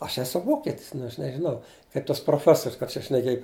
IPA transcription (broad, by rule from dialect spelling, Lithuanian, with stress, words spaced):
ɐʃ ˈæːsʊ ˈʋoːkʲɛtʲɪs nʊ ɐʃ nʲɛʒʲɪˈnɐʊ kɐɪp tɐs proːˈfʲæːsoːrʲʊs kɐt t͡ʃʲɛ ʃʲnʲɛˈkʲeːj